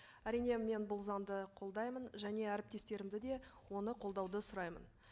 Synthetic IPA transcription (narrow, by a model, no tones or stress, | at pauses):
æɾijne̞me̞nbʊlˠzɑmd̪əqʰo̞lˠd̪ɑjmənʒæne̞æɾɪp̚t̪e̞st̪e̞ɾɪmd̪ɪd̪e̞ | wo̞nəqʰo̞lˠd̪ɑwd̪əsʊɾɑjmə̰n